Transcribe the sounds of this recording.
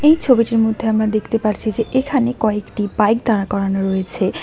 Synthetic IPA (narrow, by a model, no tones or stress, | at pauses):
ejt͡ɕʰobiʈiɾmod̪ʱːeamɾad̪ekʰt̪epaɾt͡ɕʰid͡ʑeʔekʰanekɔekʈibajkd̪aɽakɔɾanoɾojet͡ɕʰe